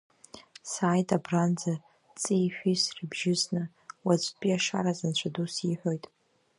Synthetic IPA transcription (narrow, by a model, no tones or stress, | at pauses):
saːjtʼabrand͡za | t͡sʼijħʷᶣisribʒɪznɨ | wat͡ʃʷʼpʼiaʂa̰ɾazant͡ɕʷʰadusiħʷᶣo̞jtʼ